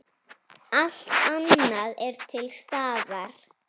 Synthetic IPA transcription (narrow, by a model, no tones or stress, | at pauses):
al̥t̪anːaðɛɾt̪ʰɪlst̪aːðaɾ̥